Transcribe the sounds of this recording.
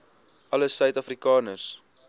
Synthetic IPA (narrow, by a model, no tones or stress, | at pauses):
ʔɐləsœɥtɐfrikɑːnərs